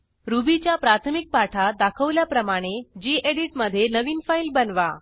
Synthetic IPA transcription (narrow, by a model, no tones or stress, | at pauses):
ɾubit͡ɕjapɾat̪ʰəmik̚paʈʰad̪akʰəʋljapɾəmaɽ̃ed͡ʑiːʔeɽiʈməd̪ʱːjenəʋiːnfailbənʋa